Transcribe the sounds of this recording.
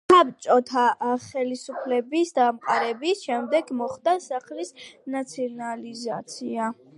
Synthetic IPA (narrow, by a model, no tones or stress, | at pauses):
sap̚t͡ʃʼɔt̪ʰaχɛlisupʰlɛbisd̪amqʼaɾɛbisʃɛmd̪ɛɡmɔχd̪asaχlisnat̪sʰiɔnalizat̪sʰia